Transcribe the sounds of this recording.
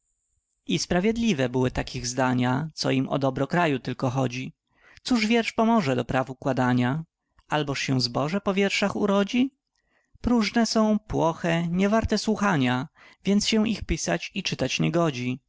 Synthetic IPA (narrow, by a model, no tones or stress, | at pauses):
ispɾavʲjɛd̪lʲivɛbɘwɘt̪akʲiɣzd̪aɲat̪sɔ̰imɔ̰d̪ɔbɾɔkɾajut̪ɘlkɔxɔd͡ʑi | t̪suʐvʲjɛɾʂpɔmɔʐɛd̪ɔpɾavuukwad̪aɲa | albɔʂɕɛw̃zbɔʐɛpɔvʲjɛɾʂaxṵɾɔd͡ʑi | pɾuʐnɛsɔ̃w̃pwɔxɛɲɛvaɾt̪ɛswuxaɲa | vʲjɛnt̪sɕɛixpʲisat͡ɕit͡ʂɘt̪at͡ɕɲɛɡɔd͡ʑi